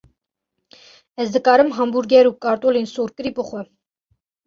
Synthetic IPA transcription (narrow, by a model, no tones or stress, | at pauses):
ɛzd̪əkʼɑɾəmɦɑmbuɾɡɛɾukʼɑɾt̪ʼɔlinsuɾkəɾipʼəχə